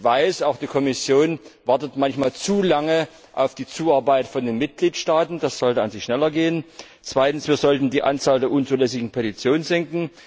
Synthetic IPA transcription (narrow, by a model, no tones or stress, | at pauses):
vaɪsaʊxd̥iːkʰɔmɪsjoːnvaɐtətmançmaːlt͡suːlaŋə | ʔa̰ʊfd̥iːt͡suːaɐbaɪtfɔndeːnmɪt̚ɡ̥liːtʃtaːtn̩d̥asz̥ɔltəanzɪçʃnɛlɐɡeːən | t͡sv̥aɪtn̩sv̥iːɐzɔltn̩diːʔa̰nt͡saːldeːɐʔʊnt͡suːlɛsɪɡŋ̩pʰɛtit͡sjoːnnzɪŋkŋ̩